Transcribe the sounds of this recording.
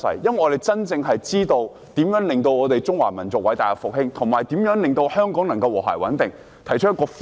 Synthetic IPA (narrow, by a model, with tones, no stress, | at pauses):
sɐ̰˨˩jjɐ˥nwɐ˨˩ʔɔː˨˧t̪e˨jt͡sɐ˥nt͡sɪ˧ŋɦɐ˨jt͡siː˥t̪o˧w | t̪iː˨˥mjœː˨˥ŋlɪ˨˩ŋt̪o˧wɔː˨˧t̪e˨jt͡sʊ˥ŋwaː˨˩mɐ˨˩nt͡sʊ˨k̚wɐ˨˥jt̪aː˨jɐ˨˧kfʊ˨k̚hɪ˥ŋt̪ʰʊ˨˩ŋmaː˨˩jt̪i˨˥mjœː˨˥ŋlɪ˨ŋt̪o˧whœː˥ŋkɔː˨˥ŋnɐ˨˩ŋkɐ˧wɔ̰ː˨˩ɦa̰˨˩jwɐ˨˥nt̪ɪ˨˩ŋ | t̪ʰɐ˨˩jt͡ʃʰɵ˥jɐ˥kɔː˧f